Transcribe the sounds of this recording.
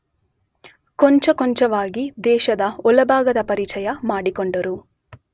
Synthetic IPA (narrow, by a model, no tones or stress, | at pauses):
koɲt͡ʃɐkoɲt͡ʃɐʋaːɡid̪ɛːʃɐd̪ɐɔlɐbʱaːɡɐd̪ɐpɐɾit͡ʃɐjɐmaːɽikoɳɖɐɾu